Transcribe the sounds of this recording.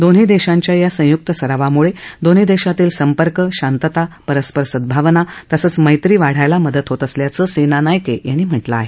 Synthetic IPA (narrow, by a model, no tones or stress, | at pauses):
d̪onɦiːd̪eɕaɲt͡ɕjajasə̃juk̚t̪əsəɾaʋamuɭed̪on̤iːd̪eɕat̪iːlsəmpəɾkəɕant̪ət̪apəɾəspəɾsəd̪̚bʱaʋnat̪əsəːt͡sməjt̪ɾiːʋaɽ̤ajlaməd̪ət̪ɦot̪əsljat͡səsenanajkejaniːm̤əʈla̰ːɦe